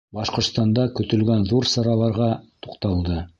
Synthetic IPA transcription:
bɑʃqŏɾt̪st̪ɑnd̪ɑkɵ̆t̪ɵ̆lɡænðuɾsɑɾɑlˠɑɾʁɑt̪u̥qt̪ɑlˠd̪ɤ

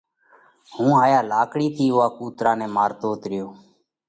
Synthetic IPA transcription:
hũːɦaːjaːlaːkɽiːt̪ʰiːʊːaːkuːt̪ɾaːnɛːmaːɾt̪oːt̪ɾɪjoː

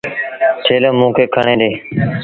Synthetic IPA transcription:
tʰeːlõːmũːkʰeːkʰəɳẽːd̪eː

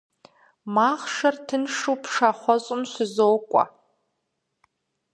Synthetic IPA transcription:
maχʂartʰɨnʂupʰʂaχʷɔɕʷʼʊmʃʷɨzowkʷʼa̰

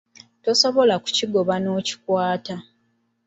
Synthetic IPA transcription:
to̞so̞βo̞laku̥ciɡo̞βano̞ːci̥kwaːta

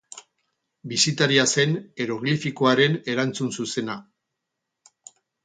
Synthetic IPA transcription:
bisit̪aɾiase̞ne̞ɾo̞ɣlifikoaɾe̞ne̞ɾant͡sunsuse̞na

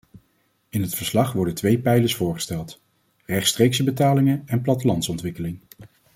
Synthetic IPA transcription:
ɪnɦətfəɹslɑχʋɔɹdəntʋejpɛjləɹsfʊːɹχə̥stɛlˠt | rɛχtstrejksəbətaːlɪŋənɛnplɑtəlɑntsɔntʋɪkəlɪŋ

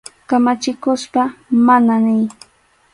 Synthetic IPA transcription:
kamat͡ʃɪkʊspamananɪj

